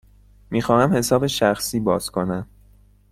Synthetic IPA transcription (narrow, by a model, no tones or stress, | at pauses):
miːxɒːhæmhe̞sɒːbe̞ʃæxsiːbɒːz̥kʰo̞næm